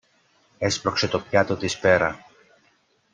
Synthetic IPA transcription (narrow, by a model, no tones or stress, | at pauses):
espɾo̞kse̞t̪opçɐt̪o̞t̪ispe̞ɾɐ